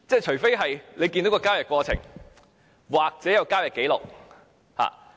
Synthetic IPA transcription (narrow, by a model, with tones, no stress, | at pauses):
t͡sɛː˥˩t͡ʃʰɵ˨˩fe˥jɦɐ˨jle˨˧jkiː˧nd̪o˨˥kːɔː˧˥kaː˥wjɐ˨˩t̚kwɔː˧t͡sʰɪ̰˨˩ŋ | waː˨k̚t͡sɛː˨˥jɐ˨˧wkaː˥wjɐ˨t̚ke˨˥jlʊ˨k̚ | ha̰ː˨˩